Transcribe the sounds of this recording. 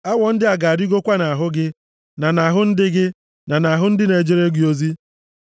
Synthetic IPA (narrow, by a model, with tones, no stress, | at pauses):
a˦wɔ˨n̩˦dɪ˦a˨ɡa˨ɾi˦ɡo˦kʷa˦na˨ɦʊ˦ɡɪ˦ | na˨na˨ɦʊ˦n̩˦dɪ˦ɡɪ˦ | na˨na˨ɦʊ˦n̩˦dɪ˦ne˨d͡ʒe˦ɾe˦ɡi˨˦o˦zi˦